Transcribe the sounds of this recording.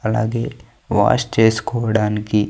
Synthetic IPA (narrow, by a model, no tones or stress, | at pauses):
ɐla̰ːɡeː | ʋa̰ːst͡ʃeːskɔːɽaːniki